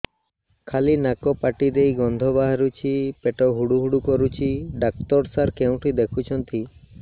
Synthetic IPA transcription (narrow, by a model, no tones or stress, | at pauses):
kʰalinakɔpaʈid̪ejɡɔnd̪ʱɔbaɦaɾut͡ʃʰipeʈɔɦuɽuɦuɽukɔɾut͡ʃʰiɖak̚t̪ɔɾsaɾkew̃ʈʰid̪ekʰut͡ʃʰɔnt̪i